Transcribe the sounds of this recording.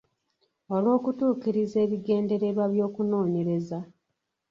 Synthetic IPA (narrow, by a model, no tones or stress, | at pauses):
olwo̞ːkutuːkiɾize̞ːβiɡe̞ːnde̞ɾe̞βwaβjo̞ːkuno̞ːɲe̞ɾe̞za